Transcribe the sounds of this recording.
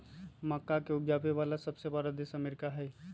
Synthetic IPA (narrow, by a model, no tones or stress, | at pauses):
mɐkːakeʊbjaːpeʋaːlasɐbsebəɾad̪eːsɐmeɾɪkaɦɛː